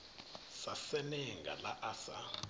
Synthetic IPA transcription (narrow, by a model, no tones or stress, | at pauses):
sasɛniŋɡa̰laʔasa̰